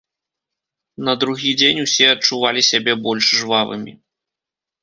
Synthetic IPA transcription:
nɐd̪ɾuɣʲid͡zʲenʲusʲɛɐt͡ʂuvalʲisʲabʲɛbɔlʲʂʐvavɨ̰mʲḭ

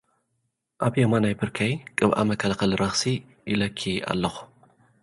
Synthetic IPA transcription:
ʔaβjemanajbɨɾkʰajkʼɨβʔa̰mɐkʰɐlaxɐlɾɐxsi | jɪlɐkʰːia̰lːɐxu̥

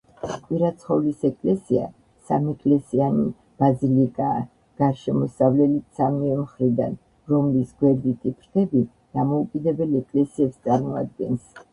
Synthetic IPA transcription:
kʼwiɾat̪sʰχɔvlisɛkʼlɛsia̰ | sa̰mɛkʼlɛsiani | b̥azilikʼaː | ɡ̥aɾʃɛmɔsavlɛlit̪samiɛmχɾid̪an | ɾɔmlisɡwɛɾd̪it̪ʼipʰɾt̪ʰɛbi | d̪̥amɔukʼid̪ɛbɛlɛkʼlɛsiɛpst̪sʼaɾmɔa̰d̪̚ɡɛns

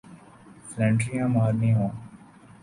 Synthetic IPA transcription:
flɛ̃ːɳʈɾijãːmaːɾnĩːɦõː

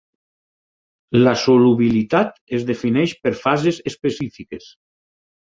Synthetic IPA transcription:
lasoluβilit̪at̪ezðefinɛʃpeɾfazezespesifikes

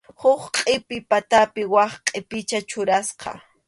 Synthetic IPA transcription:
hʊχqʼɪpɪpat̪apɪwɑχqʼɪpɪt͡ʃat͡ʃʊɾasqɑ̰

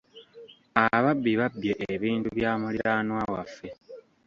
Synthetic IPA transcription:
aβabːiβabːjeʔeβiːntuβjaːmuliɾaːnwawafːe̞

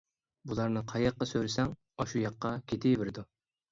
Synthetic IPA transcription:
bulˠɑɾnɨqʰɑjɑqːɑsøɾɪsɛŋ | ɑʃujɑqːɑkʲʰet̪ʰɪvɪɾɪd̪u

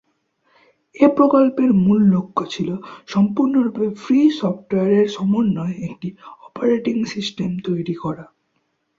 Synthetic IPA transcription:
epɾokolpeɾmulːokʰːot͡ɕʰiloʃɔmpuɾnoɾupefʰɾisɔfʈoeaɾeɾʃɔmoɾnːoeek̚ʈiɔpaɾeʈiŋsisʈemt̪ojɾikɔɾa

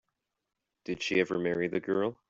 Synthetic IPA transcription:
d̥ɨd̥ʃiɛvə˞mɛɹiðɨɡɜ˞lˠ

